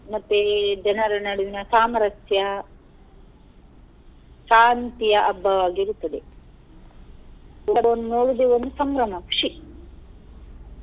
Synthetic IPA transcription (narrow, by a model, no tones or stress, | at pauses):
mɐt̪ːed͡ʒɐnɐɾɐnɐɽuʋinɐsaːmɐɾɐtjɐ | ʃaːnt̪ijɐʔɐbʱːɐʋaːɡiɾut̪ːɐd̪e | ikɐʋɐnːunoːɽud̪eond̪usɐmɾɐmɐkʂi